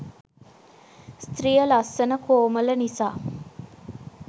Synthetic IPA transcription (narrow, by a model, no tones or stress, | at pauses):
st̪ɾijəlɐsːɐnəkoːmɐlɐnisaː